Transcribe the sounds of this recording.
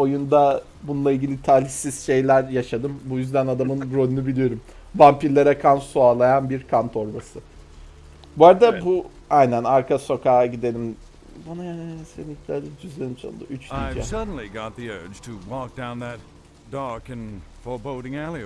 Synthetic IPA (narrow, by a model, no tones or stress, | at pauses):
o̞jund̪a | bunlˠailʲɟilʲit̪ʰaːlʲisiz̥ʃe̞jlʲæɾjaʃad̪ɯmbujyzd̪ænad̪amɯnbɾo̞lunubilʲijo̞ɾum | vampiɾlʲeɾɛkʰansuaːlˠajanbiɾkʰant̪ʰo̞ɾbasɯ | buaɾd̪abu | ajnænaɾkʰaso̞kʰaːɟid̪e̞lʲim | banajansenit̪lʲæɾd̪ɛd͡ʒyzlʲenit͡ʃʰo̰d̪ɯ̰ʔyt͡ʃliɛ̰sʌdⁿn̩lˠiɡɑt̪̚ðiɜ̥˞d͡ʒ̥tʰɨwɔk̚d̥ãʊ̃nðɨt̚ | d̥ɑɹkɨ̃n | fɔ˞boʊɾɪ̃ŋælˠi